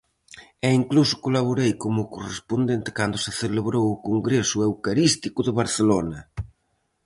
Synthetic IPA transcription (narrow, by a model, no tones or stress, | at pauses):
eiŋklusʊ̥kolaβ̞oɾejkomʊkorespond̪ent̪ɪ̥kand̪ʊsɪθeleβɾowʊkoŋɡɾesʊewkaɾist̪ikʊðɪβaɾθelonɐ